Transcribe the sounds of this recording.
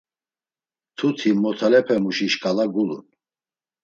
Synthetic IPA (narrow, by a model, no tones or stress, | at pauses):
t̪ʰut̪ʰimɔt̪ʰalɛpʰɛmuʃiʃkʼalaɡulṵn